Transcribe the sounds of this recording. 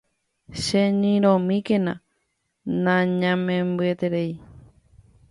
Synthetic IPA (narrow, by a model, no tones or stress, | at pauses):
ʃenĩɾõmĩkenã | nãɲãmẽmbɨet̪e̞ɾei